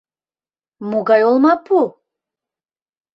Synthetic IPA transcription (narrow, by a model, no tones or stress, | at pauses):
muɡɑjolˠmɑpu